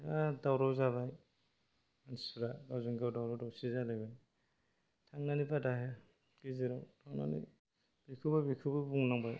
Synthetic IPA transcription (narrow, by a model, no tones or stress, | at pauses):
adawɾɔzaβaj | ansɾaɡawzɔŋɡawdawɾɔdɔwsizalajbaj | tʰaŋnanibadaɦɛ | ɡ̥iziɾɔtʰawna̰nḭ | b̥ikʰɯbajbikʰɯbɯbuŋnaŋbaj